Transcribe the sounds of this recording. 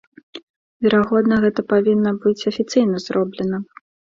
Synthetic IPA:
vʲɛɾaɣɔd̪nɐɣɛt̪ɐpavʲinːɐbɨt͡sʲɐfʲit̪sɨjnɐzɾʔɔblʲɛnɐ

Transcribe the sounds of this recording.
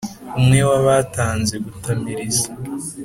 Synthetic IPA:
umŋewaβataːnze̞ɡutamiɾizḁ

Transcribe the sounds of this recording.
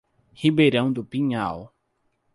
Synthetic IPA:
hibejɾɐ̃w̃d̪ʊpĩɲaw

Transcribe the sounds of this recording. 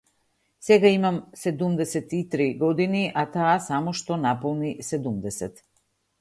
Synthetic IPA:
sɛɡaimamsɛd̪umd̪ɛsɛt̪it̪ɾiɡɔd̪iniʔat̪aːsamɔʃt̪ɔnapɔlˠnisɛd̪umd̪ɛsɛt̪

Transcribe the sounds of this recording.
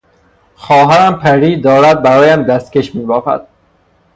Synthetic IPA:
xɒːɦæɾæmpʰæɾiːd̪ɒːɾæd̪̚bæɾɒːjæmd̪æst̪̚keʃmiːbɒːfæ̰d̪̥

